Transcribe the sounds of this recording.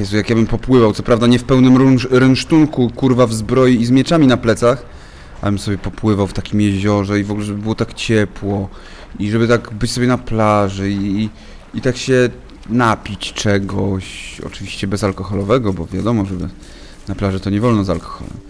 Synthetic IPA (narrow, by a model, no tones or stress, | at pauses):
ɛsjakjabɘmpɔpwɘvawt̪ɔpɾavd̪aɲɛfpɛwnɘmɾuɾɛnʂt̪uŋkukuɾvavzbɾɔjiizmʲjɛt͡ʂamʲinaplɛt̪sax | ʔa̰bɘmsɔbʲjɛpɔpwɘvawft̪akʲimjɛʑɔʐɛivɔɡulɛʐɛbɘbɘwɔt̪akt͡ɕɛpwɔ | iʐɛbɘt̪aɡbɘt͡ɕsɔbʲjɛnaplaʐɛiː | t̪akɕɛ | napʲit͡ɕt͡ʂɛɡɔɕɔ̰t͡ʂɘvʲiɕt͡ɕɛbɛzalkɔxɔlɔvɛɡɔbɔvʲjad̪ɔmɔʐɛbɘ̰ | naplaʐɛt̪ɔɲɛvɔlnɔza̰lkʰɔ̥xɔ̰lɛ̰m